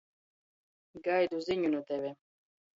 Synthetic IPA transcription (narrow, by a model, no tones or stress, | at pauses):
ɡajd̪uziɲunut̪ɛvɛ